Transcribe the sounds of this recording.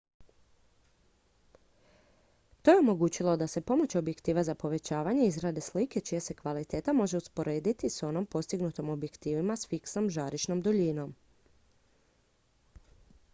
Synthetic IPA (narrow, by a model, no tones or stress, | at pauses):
t̪o̞jeo̞mo̞ɡuːt͡ɕilˠo̞d̪ase̞po̞mo̞t͡ɕo̞bje̞kt̪iːʋazapo̞ʋe̞t͡ɕaːʋaɲe̞izɾad̪e̞slike̞t͡ʃijese̞kʋalit̪e̞ːt̪amo̞ʒe̞uspo̞ɾe̞ːd̪it̪iso̞no̞mpo̞st̪iɡnut̪omo̞bje̞kt̪iːʋimasfiksnomʒaːɾiʃno̞md̪oʎino̞m